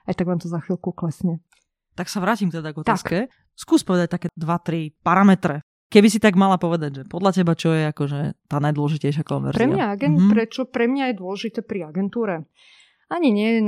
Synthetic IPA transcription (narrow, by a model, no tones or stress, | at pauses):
ajt̪aɡʋaːmt̪ɔzaxʋilkuklɛsɲɛ | t̪aksaʋɾaːcimkt̪ɛd̪aɡɔt̪aːskkɛ | skuːspɔʋɛd̪ac̚t̪akɛːd̪ʋat̪ɾipaɾamɛt̪ɾɛ | kɛbisit̪aɡmalapɔʋɛd̪aɟʒɛpɔd̪lacɛbat͡ʃɔjɛakɔʒɛt̪aːnajd̪wɔlɔʒicɛjʃ̬jakɔ̰nʋɛ̰ɾɾzɾɛmɲaaɡɛnt̪pɾɛt͡ʃɔpɾɛmɲajɛd̪ʊɔlɛʒit̪ɛːpɾiaɡɛnt̪uːɾɛ | aɲiɲɪɛjɛn